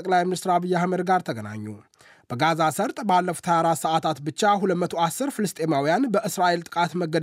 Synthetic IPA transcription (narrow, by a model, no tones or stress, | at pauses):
əkʼlajminist̪ɾaβɨjːahməd̪ɡaɾt̪ʰəɡəna̰ɲːu | b̥əɡazasəɾt̪ʼbalːəfu̥t̪həjaɾat̪səʔat̪ʰat̪bɨt͡ʃːaɦulət̪mət̪ʰo̞asːɨɾfɨlɨst̪ʰʼe̞mawijanbəʔɨsɾaʔelt̪ʼɨkʼat̪məɡːəd̪